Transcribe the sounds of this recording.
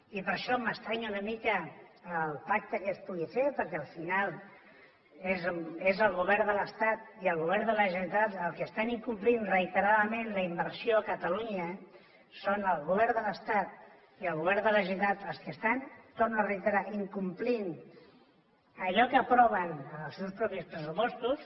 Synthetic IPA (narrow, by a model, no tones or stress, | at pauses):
ipəɾʃɔməst̪ɾaɲunəmikəː | lˠpak̚t̪əkəspuɣifepəɾkɛəlˠfinalˠ | ezezəlˠɣuβɛɾd̪ələst̪at̪iəlˠɣ̞uβɛɾnd̪ələʒət̪at̪əlˠkəst̪aniŋkumplinrəit̪əɾaðəmẽnləimbəɾsioəkət̪əluɲə | sonəlˠɣuβɛɾnd̪ələst̪at̪̚ | iəlˠɣuβɛɾnd̪ələʒit̪at̪əlˠskəst̪ant̪ornərəit̪əɾaiŋkumplin | əʎɔkəːpɾɔβ̞ənəlˠsewspɾɔpispɾəsupɔst̪us